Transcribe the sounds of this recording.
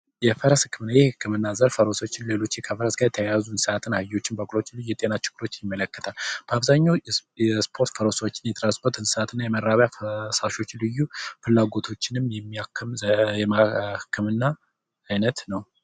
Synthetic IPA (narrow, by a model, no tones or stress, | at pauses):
jɛfəɾəshɨkːɨmɨnːajɛhɨkːɨmɨnːazəɾfəɾo̞sawot͡ʃːɪnle̞lo̞t͡ʃːikʰəfəɾəsɡajɛt̪ʰəjajazuɨnsɨat̪ʰɨnːahɨjo̞t͡ʃːɪnbəkʼlo̞t͡ʃːlɨjːuɛt̪ʼe̞nat͡ʃɪɡ̥ːɨɾo̞t͡ʃːjɪmːələkːə̥t̪ʰalb̥əaβzaɲːawɛspʰo̞ɾt̪fəɾo̞sawot͡ʃːɪnjɛt̪ʰʼɨɾaspʰoɾt̪ɨnsəat̪ʰɨnːajɛməɾːaβjafsaʃo̞t͡ʃːlɨjːufɨlːaɡo̞t̪ʰo̞t͡ʃːɪnɨmjɛmːiakʰːɨmjɛmahɨkʰːɨmɨnːa | ajnət̪nəw